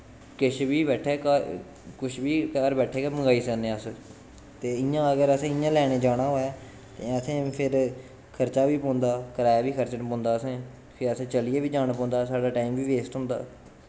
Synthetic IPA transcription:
kɪʃʰbiːbɛːʈʰeːk | kʊʃʰbiːkəɾbɛːʈʰeːkeːməŋɡaːiːsənẽːəs | t̪eːɪ̃jãːəɡəɾəsẽːɪjãːlɛːɽ̃eːd͡ʒaːɽ̃aːɦoːaː | t̪ẽːət̪ʰẽːpʰɪɾ | kʰəɾt͡ʃaːʋiːpõːnd̪aːkəɾaːjaːʋiːkʰəɾt͡ʃənpõːnd̪aːəsẽː | keəsẽːt͡ʃəlijeːʋiːd͡ʒaːnːp̬ɔ̃ːnd̪aːsaːɖaːʈaːimʋiːʋeːsʈɦʊ̃ːnd̪a̰ː

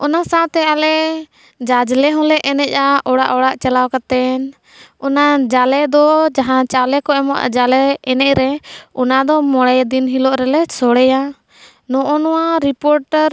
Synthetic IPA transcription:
ɔnasãwt̪ɛalɛ | d͡ʒad͡ʒlɛɦɔ̃lɛʔɛnɛc̚ˀaɔɽaʔɔɽaʔt͡ʃalawkat̪ɛn | ɔnad͡ʒalɛd̪ɔd͡ʒaɦãt͡ʃalɛkɔɛmɔʔa̰d͡ʒalɛɛnɛc̚ˀɾɛɔnad̪ɔmɔɽɛjd̪inɦilɔʔɾɛlɛsɔɽɛja | nɔ̃ʔɔnɔwaɾipɔɾʈəɾ

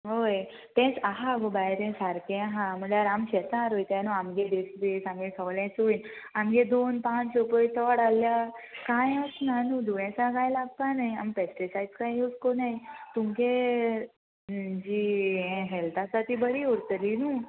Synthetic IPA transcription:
ɦoj | t̪ɛ̃t͡saɦaɡobajɾɛ̃saɾkẽaɦãm̤əɳjaɾamɕɛt̪ãɾojt̪ãnuamɡed̪esd̪esamɡẽsʰəʋlɛ̃t͡soin | amɡẽd̪onpãt͡ssopəjt̪ʰəɽalːjakãjasnanũd̪uɭɛ̃saɡajlaɡ̚panajampesʈisajdskãjɦoskonajt̪umke | d͡ʑiːɦɛ̃ɦɛlt̪asat̪iːbəɾiuɾt̪əlinu

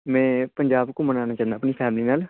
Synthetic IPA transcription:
mɛ̃ːpəɲd͡ʒaːbkõmənãːnaːt͡ʃãːnd̪aːpniːpʰɛːmliːnaːl

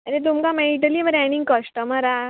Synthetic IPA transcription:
əɾet̪̬umkameiʈ̬əliʋəɾɛniŋɡkəsʈəməɾa

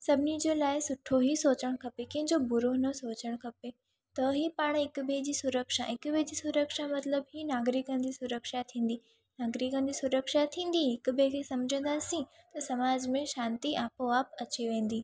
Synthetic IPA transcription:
sɐbʱɪnid͡ʑeːlaːɪsʊʈʰoɦisoːt͡ɕəɽ̃kʰɐpekɐ̃ɦɪ̃ɲd͡ʑobʊɾoɦnɐsoːt͡ɕəɽ̃kʰɐpe | t̪ɐɦipaːɽ̃ɪkʊbʱed͡ʑiːsʊɾəkʃaɪkʊbʱed͡ʑiːsʊɾəkʃamɐt̪ləbɦinaːɡɾɪkə̃nd̪isʊɾəkʃat̪ʰĩːn̆d̪i | naːɡɾɪkə̃nd̪isʊɾəkʃat̪ʰːĩːn̆d̪iɦɪkʊ̆bekʰesɐmd͡ʑʱə̃n̆d̪aːsĩ | t̪ɐsɐmaːd͡ʑmẽʃãːnt̪iʔaːpoaːpɐt͡ɕiʋẽːn̆d̪iː

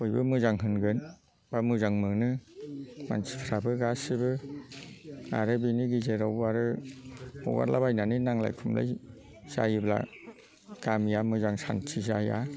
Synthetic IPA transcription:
ojbɯmɯzaŋɦɯnɡɯn | b̥amɯzaŋmɯnɯ | ma̰nsi̥pʰɾabɯɡasibɯ | a̰ɾɯbiniɡizeɾawbɯaɾɯ | ɔ̰ɡa̰ɾlabajnaninaŋla̰jkʰumla̰j | z̥a̰jibla̰ | ɡ̥amijamɯzaŋsa̰ntʰizaja̰

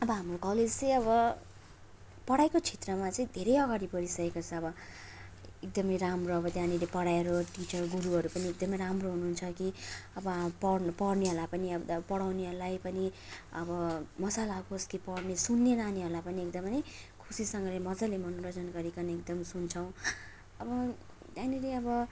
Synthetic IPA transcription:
ʌbʌɦamrokʌled͡zt͡sʌjʌbʌ | pʌɽajkot͡sʰet̪rʌmat͡sʌĩd̪ʱeɾʌjʌɡaɽipʌɾisʌekʌt͡sʰʌːbʌ | ek̚d̪ʌmʌjɾamroʌbʌd̪janilepʌɽaeɾoʈit͡sʌrɡuɾuɦʌɾupʌniek̚d̪ʌmʌjɾamroɦunuɦːnt͡sʰʌkiʌbʌpʌrpʌɽneɦolapʌniʌb̪pʌɽawneɦolajpʌniʌbʌmʌsalaaɡoskipʌɽnesunːeɾaniɦolapʌniekd̪ʌmʌjkʰusisʌŋɡʌlemʌd͡zʌlemʌnoɾʌd͡zʌnɡʌɾikʌneekd̪ʌmsunt͡sʰʌw̃ | ʌbʌ | d̪janileʌbʌ

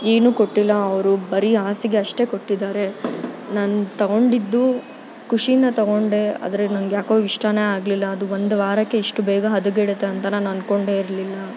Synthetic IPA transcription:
e̞ːnuːkoʈːilːɐɐʋɐɾubɐɾiaːsiɡe̞ɐʂʈe̞ko̞ʈːid̪aːɾe̞naːnut̪ɐɡo̞ɳɖid̪ːu | kuʂijind̪ɐt̪ɐɡo̞ɳɖe̞a̰ːd̪ɐɾenɐnɡjaːkoːiʂʈaneːaːɡlilːɐːd̪uʋond̪ʋaːɾɐkːe̞iʂʈubɛːɡɐɦɐd̪uɡeɽet̪ːeɐnt̪ɐnaːnɐnko̞ɳɖe̞ːiɾlilːɐ

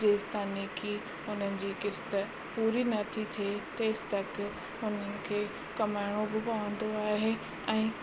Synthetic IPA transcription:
eːst̪aːnikʰiː | ʊn̤ənɪ̆d͡ʑiːkɪst̪ə̆ | puːɾinɐt̪ʰit̪ʰiet̪eːst̪ɐk | ʊn̤ənɪ̆kʰeː | kɐmaːɪɽ̃obɪpɐʋə̃n̆d̪oaːɦe | ɛ̃ː

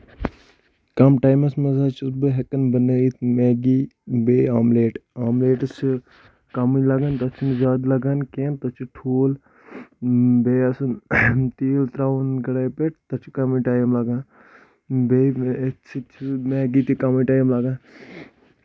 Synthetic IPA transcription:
kɐmʈaːjmɐsmezaːt͡ʃʰusbɨɦekɐnbɐneit̪ʰmeːɡibeːaːmleːʈaːmleːʈt͡ʃʰi | kɐmilɐɡant̪ɐt͡ʃʰinzaːd̪lɐɡankeːnt̪ɐt͡ʃʰiʈʰuːl | beːɐsunt̪iːlt̪ɾaːʋunɡɐɽaːjpeʈ̚ʰt̪ɐt͡ʃʰi̥kɐmiʈaːjmlɐɡaːn | bet͡ʃʰimeːɡit̪ikɐmiʈaːjmlɐɡan

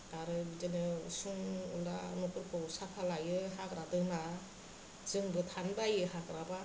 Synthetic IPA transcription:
aɾɯbidɯnɯsuŋṵlanɔkɯɾkʰɯwsapʰalajɯɦakɾatɯna | zɯŋbɯtʰanbajɯhakɾaba

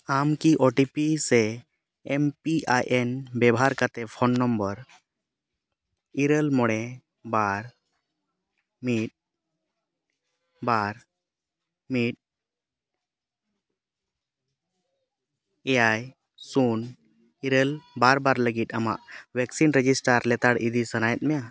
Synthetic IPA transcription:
amkiʔɔʈipisɛ | ɛmpiajʔɛnbɛbɔɦaɾkat̪ɛpʰɔnːɔmbəɾ | iɾəlmɔɽɛ | baɾ | miʈ̚ | baɾ | miʈ̚ | ɛaj | sun | iɾəlbaɾbaɾləɡit̪̚ˀama̰ʔwɛksinɾɛd͡ʒisʈaɾlɛt̪aɽid̪isənajɛt̪̚mɛja

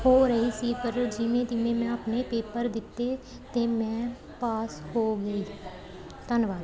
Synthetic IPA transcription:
hoːɾəɦiːsiːpəɾd͡ʒɪʋẽːt̪ɪʋẽːmɛ̃ːəpneːpeːpəɾd̪ɪt̪ːeː | t̪eːmɛ̃ː | paːshoːɡəiː | t̪ənʋaːd̪

